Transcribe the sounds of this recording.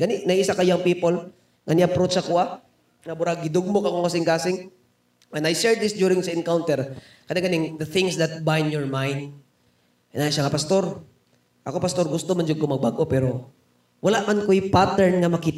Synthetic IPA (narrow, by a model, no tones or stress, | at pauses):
ɡɐnɪnɐiʔɪsakɐjoɐŋpiːpol | ŋɐnɪapɾot͡ʃɐkoʔa | ŋɐbʊɾaɡɪd̪oɡ̚mokɐkoŋkasɪŋkaːsɪŋ | ɛ̃najʃɛɹd̪ɪsdjuːɾɪŋzɐɪnkawnt̪ɛɹ | kɐnaɡɐnɪŋd̪ɐθɪŋsd̪ɐt̪̚bajnjɔɹmajnd̪ | ɪnaʃaŋapɐst̪o̞ɾ | ʔɐkopɐst̪o̞ɾɡʊst̪omɐnd͡ʒoɡ̚komɐɡ̚baɡʔo̞pɛːɾo̞ | wɐlaʔmankojpat̪ɛɹnŋɐmɐkit̪